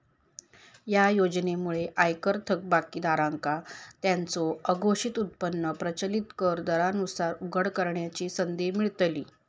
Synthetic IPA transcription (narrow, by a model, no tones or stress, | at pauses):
jajod͡ʑnemuɭeʔajkəɾt̪ʰək̚bakid̪aɾãŋkat̪jant͡soəɡʱoɕit̪ut̪̚pənːəpɾət͡ɕəlit̪kəɾd̪əɾanusaɾuɡʱəɽkəɾɳjat͡ɕiːsənd̪emiɭt̪liː